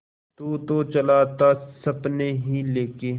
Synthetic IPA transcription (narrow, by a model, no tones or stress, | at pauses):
t̪uːt̪oːt͡ʃəlaːt̪aːsɐbneːɦiːleːkeː